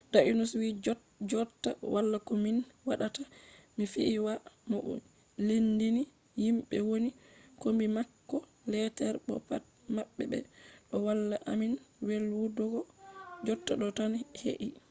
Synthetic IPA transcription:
daʔinuswi | d͡ʒɔtːawalːakɔminwaɗatamifiʔːwamɔɔ̰ | lindini | himɓɛwonikɔmbimakːɔ | lɛtɛɾɓɔ̰pa̰t̚ | maɓːɛbɛ̰ɗɔwalːaʔaminwelwudɔɡɔd͡ʒɔtːaɗɔtanhḛʔi

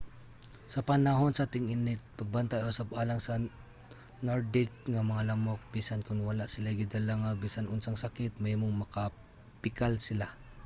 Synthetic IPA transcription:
sɐpanaɦonsat̪ɪŋɪnɪt̪̚pɐɡ̚bant̪ajosapalaŋsa | noɹd̪ɪk̚ŋamɐŋalamok̚bisankʊnwalaʔsɪlaɡid̪alaŋabisanʊnsaŋsakɪt̪̚mɛmʊŋmɐka | pɪkalsɪla

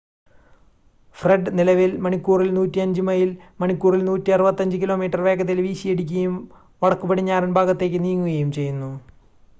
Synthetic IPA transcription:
freɖnilɐʋilmɐɳikːuːrilnuːtːiɐɲd͡ʑɨmɐjilmɐɳikːuːrilnuːtːiɐrɨbɐt̪ːɐɲd͡ʑɨkilo̞ːmiːʈːɐrʋe̞ːɡɐðilʋiːɕijeɽikʲːuɣɐjum | ʋɐɭɐkːupɐɽiɲːaːrunbʱaːɡɐt̪ːe̞ːk̬ʲːɨniːŋːuɣɐjumt͡ɕe̞jːunːu

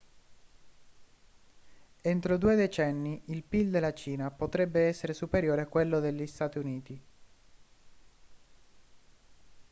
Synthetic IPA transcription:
ent̪ɾod̪uːed̪et͡ʃɛnːiʔilpild̪elːat͡ʃiːnapot̪ɾɛbːeɛsːeɾesupeɾjoːɾeakːwelːod̪eʎːist̪aːt̪iuniːt̪i

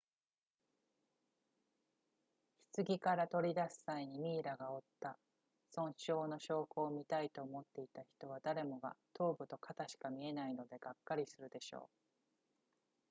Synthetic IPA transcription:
çi̥t͡sɨɡʲikaɾat̪o̞ɾʲid̪asɨ̥saiɲ̟imʲiːɾaɡao̞t̪ːa | sõ̞ñɕo̞ːno̞ɕo̞ːko̞ːmʲit̪ait̪o̞ːmo̞t̪ːe̞it̪açi̥t̪o̞β̞ad̪aɾe̞mo̞ɡa̰t̪ʰo̞ːbɯ̟t̪o̞kʰat̪aɕi̥kamʲie̞naino̞d̪e̞ɡ̥akːaɾʲisɨɾɯ̟d̪e̞ɕo̞̰ː

